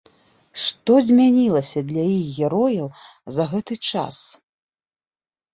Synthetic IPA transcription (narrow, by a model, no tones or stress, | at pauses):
ʂt̪ɔzʲmʲanʲilˠɐsʲɐd̪lʲɐjixɣʲɛɾɔjɐw | zɐɣɛt̪ɨt͡ʂa̰s